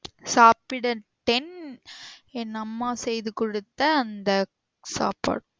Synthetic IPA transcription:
saːpɪɽɐʈɛn | nɐmːãːsɛjðɯkɔɽɯt̪ːɐːnd̪ɐ | sa̰ːpa̰ːɽʊ

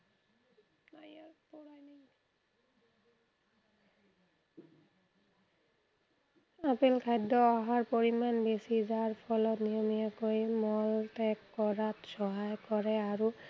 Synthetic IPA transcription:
najapɔɹajni | apelkʰajdɔaɦaɹpoɹimanbesizaɹpʰɔlɔtnijɔmijakojmɔltɛkːɔɹatsɔɦajkɔɹɛaɹu

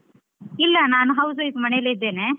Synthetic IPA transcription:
ilːɐnaːnuɦɐws̬ɐit̪mɐnɛjɐlːeid̪ːeːne

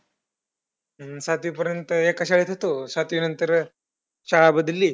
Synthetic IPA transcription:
sat̪ʋipəɾjənt̪əekəɕaɭet̪ʰat̪osat̪ʋinənt̪əɾ | ɕaɭabəd̪lːiː

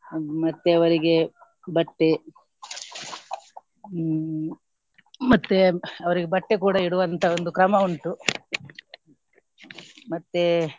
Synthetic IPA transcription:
mɐt̪ːeɐʋɐɾiɡe̞ | bɐʈːe | mɐt̪ːeɐʋɐɾiɡebɐʈːekuːɽɐiɽuʋɐnt̪ʰɐond̪ukɾɐmɐuɳʈu | mɐt̪ːe

